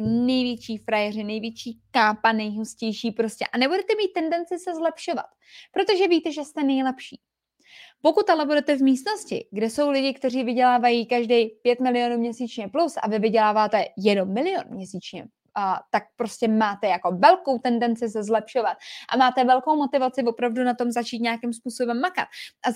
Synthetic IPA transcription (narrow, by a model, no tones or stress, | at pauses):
nɛjvjɛt͡ʃiːfɾajɛrɪnɛjvjɛt͡ʃiːkaːpanɛjɦuscɛjʃiːpɾo̞scɛʔanɛbudɛt̪ɛmiːt̪̚ːɛndɛnt͡sɪsɛzlɛpʃo̞va̰t̪ | pɾo̞t̪o̞ʒɛviːt̪ɛʒɛst̪ɛnɛjlɛpʃiː | po̞kut̪alɛbudɛt̪ɛvmiːst̪no̞scɪ̰ɡdɛso̞wlɪɟɪkt̪ɛriːvɪɟɛlaːvajiːkaʒdɛjpjɛt̪mɪlɪjo̞numɲɛsiːt͡ʃɲɛplusʔa̰vɪvɪɟɛlaːvaːt̪ɛjɛdomːɪlɪjonmɲɛsiːt͡ʃɲɛ̰ | t̪ak̚pɾo̞scɛmaːt̪ɛjako̞vɛlko̞wt̪ɛndɛnt͡sɪsɛzlɛpʃo̞vat̪̚ʔa̰maːt̪ɛvɛlko̞wmo̞t̪ɪvat͡sɪvo̞pɾavdunat̪o̞mzat͡ʃiːt̪ɲeakɪmspuːso̞bɛmːaka̰t̪ʔa